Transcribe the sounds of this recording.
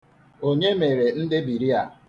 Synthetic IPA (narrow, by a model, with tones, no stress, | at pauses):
o˦ɲe˦me˨ɾe˨n̩˦dɪ˦bi˨ɾi˦a˨